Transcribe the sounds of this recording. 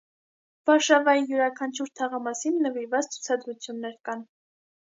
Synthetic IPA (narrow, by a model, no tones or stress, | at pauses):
v̥ɑɾʃɑvɑijuɾɑkʰɑnt͡ʃʰuɾt̪ʰɑʁɑmɑsinːəviɾvɑt͡st͡sʰu̥t͡sʰɑd̪ɾut͡sʰjunːɛɾkɑn